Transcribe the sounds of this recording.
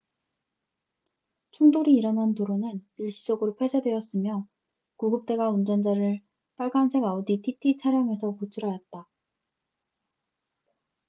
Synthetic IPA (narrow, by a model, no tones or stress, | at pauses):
t͡ɕʰuŋdoɾiːɾʌnɦantoɾonɯniɭɕ͈id͡ʑʌɡɯɾopʰwe̞sʰedwe̞ʌs͈ɯmjʌ | kuɡɯp̚t͈e̞ɡaund͡ʑʌnd͡ʑaɾɯɭ | p͈aɭɡ͈ansʰe̞ɡaoditʰitʰit͡ɕʰaɾjʌŋe̞sʰʌkut͡ɕʰuɾɦajʌt̚t͈a